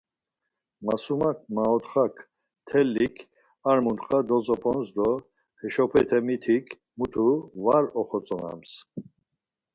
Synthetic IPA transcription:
masumak̚ʰmaɔt̪χakʰ | t̪ʰɛlːikʰ | aɾmunt̪χʼad̪ɔt͡sʼɔpʰʼɔnsd̪ɔ | hɛʃɔpʰɛt̪ʰɛmit̪ʰikʰ | mut̪ʰuvaɾɔχɔt͡sʼɔna̰ms

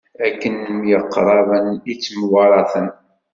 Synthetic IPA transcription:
ækːənəmjəqːɾˤɑvənit͡sːmwɑɾˤɑθən

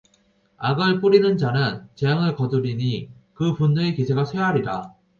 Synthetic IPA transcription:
aɡɯɭp͈uɾinɯnd͡ʑanɯnt͡ɕejaŋɯɭkʌduɾiɲikɯpunːɯekisʰe̞ɡasʰweɦaɾida

